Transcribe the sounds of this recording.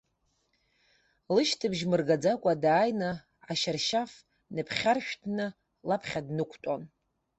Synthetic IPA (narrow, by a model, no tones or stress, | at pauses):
lɨʃtʰɨbʒmɨrɡad͡zakʷʼadaːjnɨ | aʃarʃaf | nɨpʰχʲarʃᶣtʰnɨ | lapʰχʲadnɨkʷʰtʼon